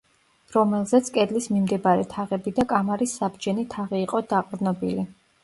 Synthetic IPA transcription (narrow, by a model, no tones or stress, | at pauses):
ɾɔmɛlˠzɛt̪sʰkʼɛd̪lismimd̪ɛbaɾɛt̪ʰaʁɛbid̪akʼamaɾisːabd͡ʒɛnit̪ʰaʁiːqʼɔd̪aqʼvd̪nɔbili